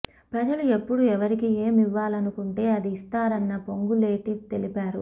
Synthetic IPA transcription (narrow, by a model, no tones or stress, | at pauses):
pɾɐd͡ʒɐlue̞pːuɽuɛʋɐɾikie̞ːmiʋːaːlɐnukuɳʈe̞ːɐd̪ist̪aːɾɐnːɐpo̞ŋɡuleːʈit̪e̞lipaːɾṵ